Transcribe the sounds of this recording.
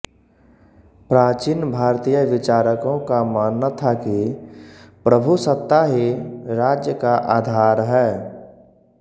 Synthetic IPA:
pɾaːt͡ʃinbʱaːɾt̪ijəʋɪt͡ʃaːɾəkõkamaːnːat̪ʰaki | pɾəbʱusət̪ːaɦiɾaːd͡ʒjəkaʔaːd̪ʱaːɾɦɛː

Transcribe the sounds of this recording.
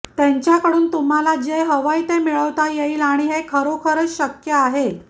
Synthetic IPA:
t̪jɛ̃ɲt͡ɕjakəɽuːnt̪um̤alad͡ʑeɦəʋəit̪emiɭəʋt̪ajeiːlaɽ̃iɦekʰəɾokʰəɾət͡sɕəkjəaɦe

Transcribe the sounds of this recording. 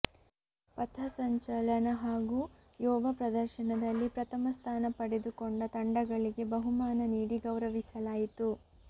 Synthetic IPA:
pɐt̪ʰɐsɐɲt͡ʃɐlɐnɐɦaːɡuː | jɔːʋɐpɾɐd̪ɐɾʃɐnɐd̪ɐlːipɾɐt̪ʰɐmɐst̪ʰaːnɐpɐɽed̪ukoɳɖɐt̪ɐɳɖɐɡɐɭiɡe̞bɐɦumaːnɐniːɽiɡɐwɾɐʋisɐlaːjit̪u

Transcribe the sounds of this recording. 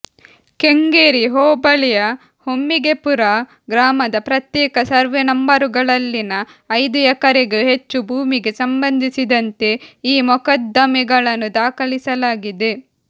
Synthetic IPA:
ke̞ŋɡeːɾiɦɔːbɐlɛjɐ | homːiɡe̞puɾɐ | ɡɾaːmɐd̪ɐpɾɐt̪jɛːkɐsɐɾʋenɐmbɐɾuɡɐɭɐlːinɐː | jd̪ujɐkɐɾeɡuɦe̞t͡ʃːubʱuːmiɡe̞sɐmbɐnd̪ʱisid̪ɐnt̪e̞iːmɔkɐd̪ːɐmiɡɐɭɐnːud̪aːkɐlisɐlaːɡid̪e̞

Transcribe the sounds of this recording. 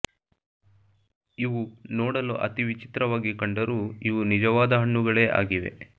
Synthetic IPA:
iʋunɔːɽɐluʔɐ̰t̪iʋit͡ʃi̥t̪ɾɐʋaːɡikɐɳɖɐɾuːiʋunid͡ʒɐʋaːd̪ɐɦɐɳːuɡɐɭe̞ːʔa̰ːɡiʋḛ

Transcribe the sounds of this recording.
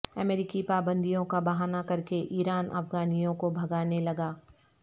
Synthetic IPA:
ɐmeːɾɪkipaːbə̃nd̪ʱijõkabɐɦaːnakɐɾkeʔiːɾaːnʔɐ̰fɡaːnijõkobʱɐɡaːnelɐɡaː

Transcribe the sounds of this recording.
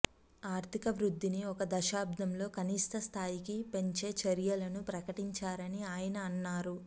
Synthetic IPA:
aːɾt̪ʰikɐʋɾud̪ʱːiniɔkɐd̪ɐʃaːb̚d̪ʱɐmlo̞ːkʰɐniːʂt̪ɐst̪ʰaːjikipe̞ɲt͡ʃe̞ːt͡ʃɐɾjɐlɐnupɾɐkɐʈiɲt͡ʃaːɾɐniaːjɐnɐːnːaːɾu

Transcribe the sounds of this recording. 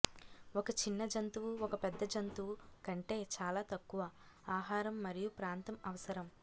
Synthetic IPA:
ɔkɐt͡ʃinːɐd͡ʒɐnt̪uʋuɔkɐpɛd̪ːɐd͡ʒɐnt̪uʋukɐɳʈe̞ːt͡ʃaːlaːt̪ɐkːuʋɐ | aːɦaːɾɐmːɐɾijupɾaːnt̪ɐmɐʋɐsɐɾɐm

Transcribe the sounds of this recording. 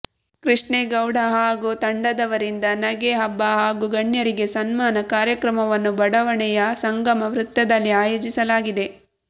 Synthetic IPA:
kɾiʂɳeɡɐwɽɐɦaːɡut̪ɐɳɖɐd̪ɐʋɐɾind̪ɐnɐɡeɦɐbːɐɦaːɡuɡɐɳjɐɾiɡe̞sɐnmaːnɐkaːɾjɐkɾɐmɐʋɐnːubɐɽɐʋɐɳɛjɐsɐŋɡɐmɐʋɾut̪ːɐd̪ɐlːiaːjoːd͡ʒisɐlaːɡid̪e̞

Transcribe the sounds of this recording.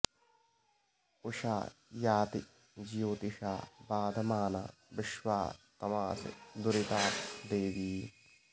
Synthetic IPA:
ʊʃa̰ːjaːt̪i | d͡ʒijoːt̪ɪʃaːbaːd̪maːna̰ː | ʋɪʃwaːt̪ɐmaːsd̪ʊɾɪt̪aːtd̪eːʋiː

